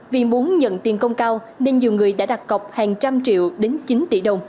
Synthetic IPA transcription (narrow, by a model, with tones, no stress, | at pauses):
vi˨˩mu˨˦ənɲə̰˧˨nt̪i˨˩nkə˧wŋ͡mkaː˧w | ne˧nɲi˨˩əwŋɨ˨˩əjɗa̰ː˧˥ɗa˨˩k̚kə˨˩wk͡p̚haː˨˩ŋt͡ɕa˧mt͡ɕḭ˧˨əwɗe˨˦nt͡ɕi˨˦nt̪ḭ˧˩ɗə˨˩wŋ͡m